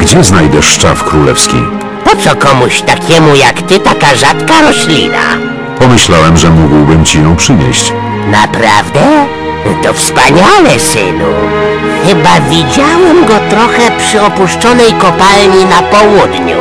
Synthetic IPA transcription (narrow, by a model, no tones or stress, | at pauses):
ɡd͡ʑɛznajd̪ɛʂːt͡ʂa̰fkɾulɛ̰fskʲḭ | pɔt̪sɔkɔmuɕt̪akʲɛmujakt̪ɘt̪akaʐat̪kaɾɔɕlʲḭna̰ | pɔmɘɕlawɛmʐɛmuɡwbɘmt͡ɕijɔ̃w̃pʂɘɲḛɕt͡ɕ | na̰pɾa̰vd̪ɛ | t̪ɔfspaɲalɛsɘ̰nṵ | xɘbavʲid͡ʑawɛmɡɔt̪ɾɔxɛpʂɘɔpuʂt͡ʂɔnɛjkɔpalɲinapɔwud̪ɲṵ